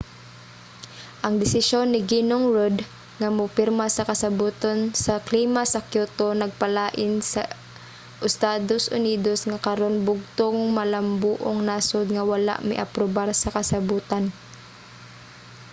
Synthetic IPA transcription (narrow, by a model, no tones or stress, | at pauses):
ʔɐŋd̪ɪsɪʃonːɪɡinoŋɹod̪ | ŋamʊpɪɾmasɐkɐsɐbuːt̪ansɐkliːmasɐkjut̪onɐɡ̚pɐlaːʔɪnsɐ | ʔɪst̪aːd̪osʔʊniːd̪osŋakɐɾonbʊɡ̚t̪oŋmɐlɐmbuːʔoŋnasod̪̚ŋawala̰ʔmɪ̰ʔɐ̰pɾobaɾsɐkɐsɐbuːt̪an